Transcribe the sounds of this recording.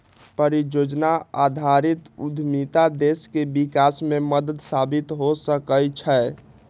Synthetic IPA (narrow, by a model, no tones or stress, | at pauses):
pəɾid͡ʒod͡ʒnaad̪ʱaɾit̪ud̪ʱmit̪ad̪eskebikasmeməd̪əd̪sabit̪ɦosəkəlt͡ʃʰə